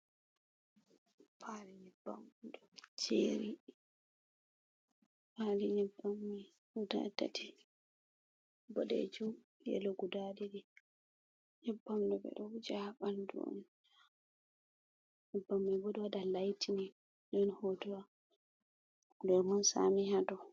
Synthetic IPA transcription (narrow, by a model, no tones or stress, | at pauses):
pʰaliɲɛbːa̰mdɔd͡ʒḛɾi | paliɲɛbːamːi | utaɛ̰tːa̰tʰi | bɔɗɛ̰d͡ʒum | jɛ̰lɔɡudadidi | ɲɛbːamdɔbɛ̰ɗɔd͡ʒaɓandṵɔ̰n | ɲɛbːamːibɔdiwadalajtʰini | dɔnhotɔwa | dɔmansa̰mihadɔ